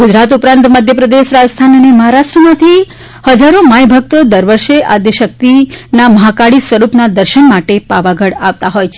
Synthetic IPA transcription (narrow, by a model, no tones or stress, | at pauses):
ɡud͡ʒɾat̪upɾãnt̪məd̪ʱjəpɾəd̪eʃɾad͡ʒst̪ʰanəneməɦaɾaʃʈɾəmãt̪ʰi | həd͡ʒaɾomajbʱək̚t̪od̪əɾʋəɾʃeʔad̪jəʃək̚t̪inaməɦakaɽisʋəɾupnad̪əɾʃənmaʈepaʋaɡəɽaʋt̪aɦojt͡ʃʰe